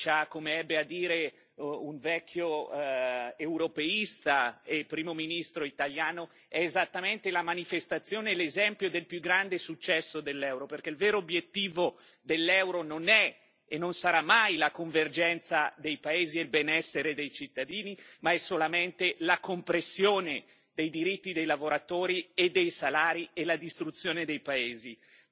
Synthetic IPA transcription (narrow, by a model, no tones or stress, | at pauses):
t͡ʃakːomeɛbːead̪ːiːɾe | uɱvɛkʰːjo | ewɾopeist̪aepːɾiːmominist̪ɾoit̪aljaːno | ɛezat̪ːament̪elamanifest̪at̪sːjoːnelezɛmpjod̪elpjuɡɾand̪esut͡ʃːɛsːod̪elːɛwɾoperkeilveːɾoːbjet̪ːiːvod̪elːɛwɾononɛ | enːonsaɾamːajlakoɱverd͡ʒɛnt̪sad̪ejpaeːzielbenɛsːeɾed̪ejt͡ʃit̪ːad̪iːnimaɛsːolament̪elakompɾesːjoːne | d̪ejd̪iɾit̪ːid̪ejlavoɾat̪oːɾied̪ːejsalaːɾielad̪ist̪ɾut̪sːjoːned̪ejpaeːzi